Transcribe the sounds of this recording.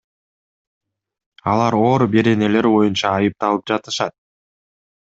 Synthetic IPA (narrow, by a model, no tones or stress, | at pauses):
ɑlˠɑɾo̞ːɾube̞ɾe̞ne̞le̞ɾbo̞junt͡ʃɑːjɯp̚t̪ɑlˠɯp̚d͡ʒɑt̪ɯ̥ʃɑt̪̚